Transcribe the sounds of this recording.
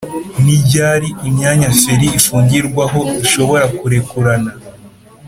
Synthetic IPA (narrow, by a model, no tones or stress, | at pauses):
niɟaːɾiimɲaːɲaseɾiːfuːɲɟiɾɡwaɦo̞iʃo̞βo̞ɾakuɾe̞kuɾana